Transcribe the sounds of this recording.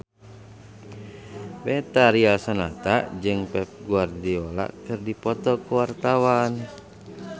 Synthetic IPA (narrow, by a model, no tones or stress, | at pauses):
bɛt̪aɾialsanat̪aʔd͡ʒɨŋpɛp̚ɡuardiola̰ʔkɨrdipɔt̪ɔkuwart̪awan